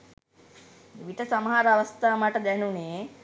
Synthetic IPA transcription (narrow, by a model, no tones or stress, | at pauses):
ʋiʈɐsɐmɦaːɾɐɐʋɐst̪ʰamɐʈɐd̪ɛnune